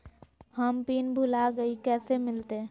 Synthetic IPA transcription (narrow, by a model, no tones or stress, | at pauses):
həmpiːnbʱulaɡəikɛːsemɪlt̪e